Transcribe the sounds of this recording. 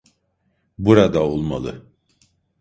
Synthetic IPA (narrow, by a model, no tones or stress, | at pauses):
buɾad̪aolˠma̰lˠɯ̰